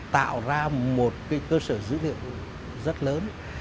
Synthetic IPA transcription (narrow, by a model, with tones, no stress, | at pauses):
t̪a̰ː˧˨wzaː˧mo˨˩t̚kaː˨˦jkəː˧səː˧˩zɨ̰˧˥lḭ˧˨əw | zə˦˥t̚ləː˨˦n